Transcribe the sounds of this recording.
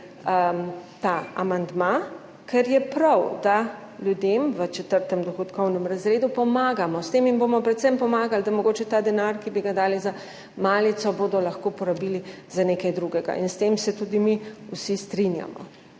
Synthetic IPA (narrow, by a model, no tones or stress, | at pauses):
ət̪aa̰mand̪ma | kʰɛɾjɛpɾawd̪a | ljud̪emʋət͡ʃɛt̪əɾt̪ɛmd̪ɔxɔt̪kʰɔwnɛmɾazɾeːd̪upɔmaːɡamɔst̪eminbomɔpɾɛt̪sɛmpɔmaːɡald̪amɔɡoːt͡ʃɛt̪aːd̪ɛnaɾkibiɡad̪aːliza | maːlit̪sɔbod̪ɔlɐxkopɔɾabilizaneːkajd̪ɾuɡɛɡa̰ʔinst̪emsɛt̪ud̪imiusist̪ɾinja̰mɔ̰